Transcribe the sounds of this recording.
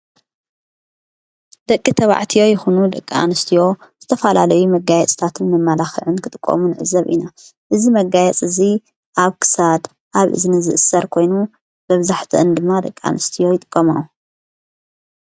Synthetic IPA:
d̪̥ɐkʼːit̪ʰɐβa̰ʕt̪ʰijo̞jɪxunud̪ɐkʼːia̰nɨst̪ʰijo̞z̥ɨt̪ʰɐfɐlalɐjumɐɡajɛt͡sʼt̪ʰat̪ʰɨnmɐmːalaxiʕɨnkʰɨt̪ʼɨkʼːo̰munɨʕɨ̰zɐβʔḭnaʔɨzimɐɡajɛt͡sʼɨzi | ʔaβkʰɨ̥sad̪ | ʔaβʔɨ̰znɨzɨʔɨsːɐɾkʰo̞jnu | bɐβzaħt̪ʰiʔɨnd̪ɨmːad̪ɐkʼːa̰nɨst̪ʰijo̞jɪt̪ʼɨkʼːɐmawu

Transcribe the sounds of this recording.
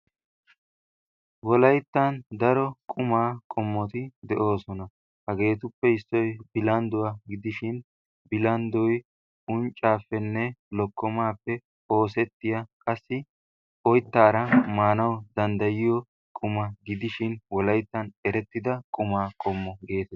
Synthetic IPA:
wɔlɐjt̪ːɐnd̪ɐɾɔkʼʊmaːkʼɔmːɔt̪ɪd̪ɛʔo̞ːsɔnɐ | hɐɡe̞ːt̪̬ʊpːɛɪsːɔjbɪlɐnd̪ʊwaɡɪd̪ɪʃɪn | bɪlɐnd̪ɔj | ʊnt͡ʃʼːaːfːɛnːɛlɔkːɔmaːpːɛ | o̞ːs̬ɛt̪ːɪjakʼɐsːɪ | ʔɔjt̪ːaːɾɐmaːnɐwd̪ɐnd̪ɐjɪjɔ | kʼʊmɐɡɪd̪ɪʃɪnwɔlɐjt̪ːɐnɛɾɛt̪ːɪd̪ɐkʼʊmaːkʼɔmːɔɡe̞ːt̪ɛ

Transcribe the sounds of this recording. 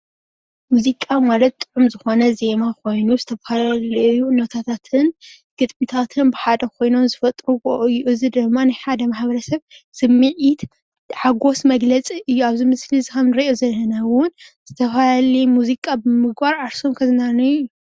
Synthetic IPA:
muzikʼamalɐt̪̚t̪ʼɨʕumzɨxo̞nɐze̞makʰo̞jnuzɨt̪ʰɐfalalɐjunot̪ʰat̪ʰat̪ʰɨn | ɡ̥ɨt̪ʼmit̪ʰat̪ʰɨnbɨħad̪ɐkʰo̞jno̞mzɨfɐt̪ʼɾuboʔjʔɨzɨd̪ɨmːanajħad̪ɐmaħbɐɾɐsɐβz̥ɨmːɨʕit̪ | ħaɡo̞smɐɡlɐt͡sʼiʔɨjːuaβzimɨslizkɐmnɨɾɐʔozɐlːɐnawʊnz̥ɨt̪ʰɐfalalimuzikʼabɨmɨɡbaɾʕaɾso̞mkʰɐzɨnanɐju

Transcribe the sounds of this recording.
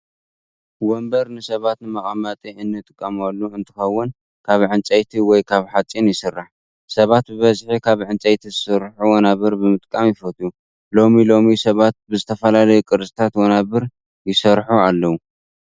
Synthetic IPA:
wombɐɾnɨsɐβat̪nɨmɐχʼamat̪ʼiɨnːɨt̪ʼɨkʼːɐmalːuɨnt̪ʰɨ̥xɐwːʊn | kʰaβʕɨnt͡sʼɐjt̪ʰiwɔjkʰaβħat͡sʼinjɪsɨrːaħ | sɐβat̪̚bɨβɐzħikʰaβʕɨnt͡sʼɐjt̪ʰizɨsɨɾħuwɔnaβɨɾbɨmɨt̪ʼkʼamjɪfɐt̪ʼu | lo̞milo̞misɐβat̪̚bɨzɨt̪ʰɐfɐlalɐjukʼɨɾsʼi̥t̪ʰat̪wɔnaβɨɾ | jɪsɐɾħualːɐwu

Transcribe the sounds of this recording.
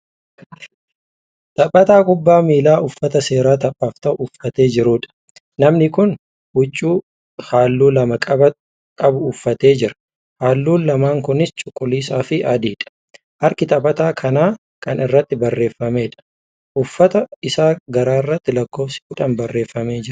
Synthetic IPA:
t̪ʼɐpʼːɐt̪aːkʼʊbːaːmiːlaːʔʊfːɐt̪ɐse̞ːɾaːt̪ɐpʼːaːft̪ɐʔʊːfːɐt̪e̞ːd͡ʒɪɾʊːᶑɐ̥ | nɐmnɪkʊn | hʊt͡ʃʼːuː | haːlːuːlɐmɐkʼɐbɐ | kʼɐbʊːfːɐt̪e̞ːd͡ʒɪɾɐ̥ | haːlːuːnlɐmaːŋkʊnɪst͡ʃʼʊkʼːʊlːiːsaːfɪʔɐd̪iːᶑɐ̥ | ʔɐɾkɪt̪ɐbʼɐt̪aːkʰɐnaː | kɐnɪrːɐt̪ːɪbɐrːe̞ːfːɐme̞ːᶑɐ̥ | ʔʊfːɐt̪ɐɪsaːɡɐɾaːɪrːɐt̪ːɪlɐkːo̞ːfsɪ̥kʊᶑɐmbɐrːe̞ːfːɐme̞ːd͡ʒɪɾʊ

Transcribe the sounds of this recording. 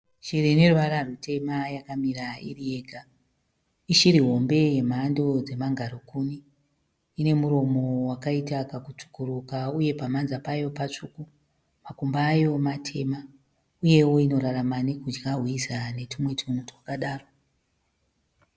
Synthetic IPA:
ʃirineruʋaɾarutʰe̞majakamiraḭrije̞ɡʱa | iʃiɾiɦo̞mbe̞je̞maːndod͡ze̞maŋɡʱaɾukuniː | ne̞muɾo̞mo̞wakaitakakut͡ʂu̥kurukauje̞pamanzapajo̞pat͡ʂuku | makumbaːjo̞matʰe̞ma | uje̞woino̞ɾaramanekud͡ʒɡaɦwisane̞tumwe̞tʰumutwakaɗaːro

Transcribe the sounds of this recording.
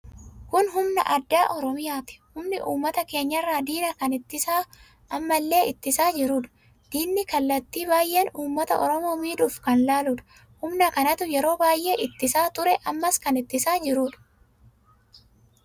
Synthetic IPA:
kʊnɦʊmnɐ̰ʔɐd̪ːaːʔɔɾɔmɪjaːt̪ɪ̥hʊmnɪʔuːmːɐt̪ɐke̞ːɲːɐɪrːaːd̪iːnɐkɐnɪt̪ːɪsaː | ʔɐmːɐlːe̞ːɪt̪ːɪsaːd͡ʒɪɾuːᶑ̪ɐ̥ | d̪̥iːnːɪkɐlːɐt̪ːiːbaːjʔe̞ːnuːmːɐt̪ɐ̰ʔɔɾɔmo̞ːmiːd̪ʊːfkɐnlaːlʊᶑ̪ɐ̥ | hʊmnɐkɐnɐt̪ʊjɛɾo̞ːbaːjʔe̞ːʔɪt̪ːɪsaːt̪ʊɾɛʔɐmːɐskɐnɪt̪ːɪsaːd͡ʒɪɾuːᶑ̪ɐ̥

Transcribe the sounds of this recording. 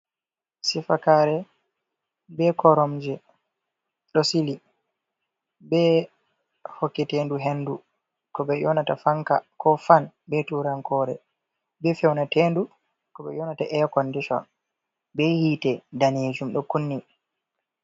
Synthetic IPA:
sifakaɾɛ | bɛkɔɾɔmd͡ʒɛ | ɗɔsili | bɛ | hɔkːɛtenduɦendu | kɔbɛjɔnatafaŋka̰kɔfan | bɛtuɾaŋkɔɾɛ̰ | bɛfɛwnateːndu | kɔɓɛ̰jɔnataʔɛkɔndiʃɔ̰n | bɛhiːtɛdaned͡ʒumɗɔkunːi

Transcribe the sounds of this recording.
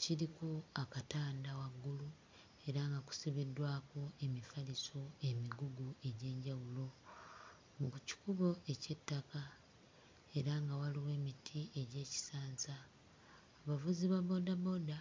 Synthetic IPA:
ciɾikuakataːndawaɡːulu | e̞ɾaŋɡaku̥siβidwaːkoe̞mifaliso̞e̞miɡuɡue̞ɟe̞ːɲɟawulo̞ | mukci̥kuβo̞ʔe̞ce̞tːaka | e̞ɾaŋɡawaliwe̞ːmitʰiʔe̞ɟe̞ːci̥saːnzaː | βavuziβaβo̞daβo̞da

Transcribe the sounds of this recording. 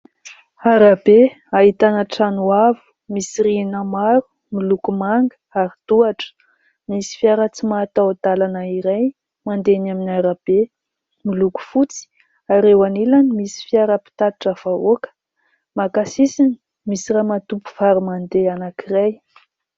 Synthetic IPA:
aɾabe | aɦit̪anəʈ͡ʂanuavu̥ | misiɾinamaɾu̥ | milukumaŋɡə̥aɾid̪̥uaʈ͡ʂə̥ | misi̥fiaɾət͡simat̪awd̪alanaiɾaj | mand̪enaminiaɾab̥e | miluku̥fut͡si̥ | aɾewanilanimisi̥fiaɾəpi̥t̪at̪iʈ͡ʂav̥aokə̥ | makasisini̥ | misiɾamat̪upu̥faɾumand̪eanakiɾaj

